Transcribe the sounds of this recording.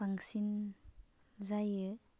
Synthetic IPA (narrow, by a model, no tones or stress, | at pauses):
aŋsin | zajɯ